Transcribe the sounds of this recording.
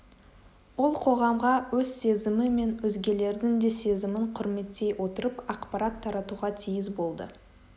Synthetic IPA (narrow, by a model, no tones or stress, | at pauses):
wolˠqʰo̞ʁɑmʁɑwɵzse̞zɪmɪme̞nwɵzɡʲe̞le̞ɾd̪ɪŋd̪e̞se̞zɪmɪɴqʰʊɾme̞t̪ːe̞jwʔo̞t̪əɾəpɑqpɑɾɑt̪ʰːɑɾɑt̪uʁɑt̪ʰijɪzbo̞lˠd̪ə̰